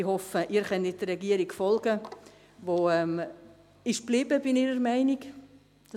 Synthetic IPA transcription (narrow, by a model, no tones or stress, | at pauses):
ihɔfəʔiːɾχɛnɪtərɛɡiəɾiɡfɔlɡə | ʋoːɛm | ɪʃb̥liːbəbiniɾəɾmaɪnik | d̥ɑ